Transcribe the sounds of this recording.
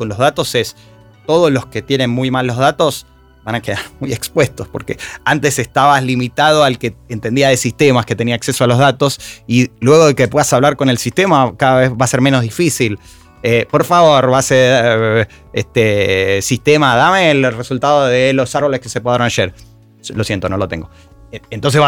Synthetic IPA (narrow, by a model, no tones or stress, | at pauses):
konlo̞zðat̪o̞se̞s | t̪o̞ð̞ozlo̞ske̞t̪je̞ne̞nmujmalːo̞zðat̪o̞s | βanake̞ðaɾmuje̞kspwe̞st̪o̞spo̞̰ɾkḛant̪e̞sest̪aβaslimit̪að̞o̞alkeent̪end̪iaðesist̪e̞maske̞t̪e̞niaksesoalo̞zðat̪o̞silwe̞ɣo̞ð̞ekep̬we̞ðasaβlaɾko̞ne̞lsist̪emakaðaβezβaseɾmeno̞zðifisil | epo̞ɾfaβo̞ɾβase | est̪esist̪emaðameːlresult̪aðoðelo̞saɾβo̞le̞skesepwaɾonaʃeɾ | lo̞sje̞nt̪ono̞lo̞t̪eŋɡo | ent̪ons̬e̞βa